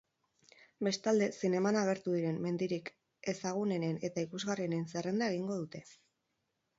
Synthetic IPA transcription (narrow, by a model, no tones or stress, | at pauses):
be̞st̪ald̪e̞sine̞manaɣ̞e̞ɾt̪uðiɾe̞mmːe̞nd̪iɾik | e̞saɣ̞une̞ne̞ne̞t̪aikuzɣariene̞nse̞re̞nd̪aeɣ̞iŋɡo̞ð̞ut̪e̞